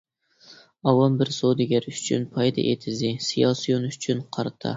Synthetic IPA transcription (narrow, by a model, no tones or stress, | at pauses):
ɑwɑnbɪɾsod̪ɪɡʲɛɾyt͡ʃʰy̰npʰɑjd̪ɑ̰ʔḛt̪ʰɪzɪsijɑsijonyt͡ʃʰynqʰɑɾt̪ʰɑ̰